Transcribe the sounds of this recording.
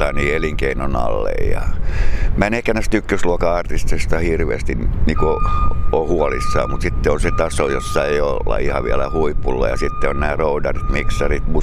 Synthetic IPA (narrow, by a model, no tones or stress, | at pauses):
ɑniːeliŋkeinonɑ̰lːḛijɑ̰ | mænehkːænæst̪ykːøsluokɑɑrt̪ist̪est̪ɑhirʋḛːst̪inniːkoohuɔlisːɑ̰ːmmut̪sit̪ːeonset̪ɑsojosːɑeiolːɑ̰ihɑʋiælæhuipːulːɑ̰jɑsit̪ːeonnæːroudɑrit̪miksɑrit̪mu